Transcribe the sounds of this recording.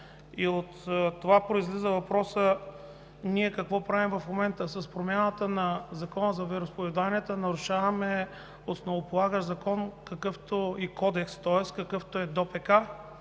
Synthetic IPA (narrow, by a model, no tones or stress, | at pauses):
iot̪t̪ːovapɾoizlizəvɐpɾɔsə | niɛkɐkvɔpɾavimvɐfmomɛnt̪əsɐspɾomʲanət̪ənɐzɐkɔnəzɐvɛɾʊspovɛd̪aniɛt̪ənɐɾʊʃavɐmɛ | osnovopolˠaɡəʒzɐkɔnkɐkɤft̪oikɔd̪ɛkst̪ɔɛskɐkɤft̪oɛd̪ɔpɛka